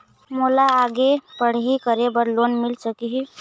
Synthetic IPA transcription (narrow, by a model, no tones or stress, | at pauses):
mulaːɡepəɽ̤ɦikəɾebəɾlonmilsəkiɦi